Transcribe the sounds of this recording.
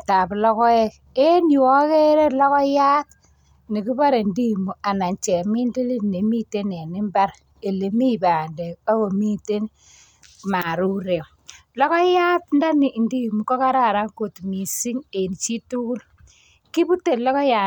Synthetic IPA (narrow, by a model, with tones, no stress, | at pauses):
ta˨blɔ˦kɔ˦e˦k | e˦ni˨wɔ˦ke˦ɾe˦lɔ˦kɔ˦ja˦t | ni˨ki˦ba˦ɾe˨ndi˦˨mu˨a˨na˨ɲt͡ʃɛ˨mi˦ndi˦li˦ne˨mi˦te˦ne˨ni˦mba˦ɾ | e˨le˨mi˦ba˨nde˨a˦ko˨mi˦te˦n | ma˨ɾu˦ɾe˨ | lɔ˦kɔ˦ja˦tnda˦ni˨ndi˦˨mu˨kɔ˦ka˦ɾa˦˨ɾa˦ŋko˨tmi˨si˦ŋe˨n˨t͡ʃi˦tu˦ku˦l | ki˦bu˦te˨lɔ˦kɔ˦ja˨